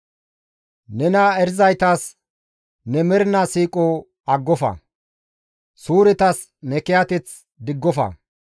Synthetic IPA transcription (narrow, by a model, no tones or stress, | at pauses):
nɛnɐɛɾɪzɐjt̪as | nɛmɛɾnɐsiːkʼɔ | ɐɡːɔfɐ̰ | suːɾɪt̪ɐs | nɛkɪjat̪ɛt͡s | d̪ɪɡːɔfɐ̰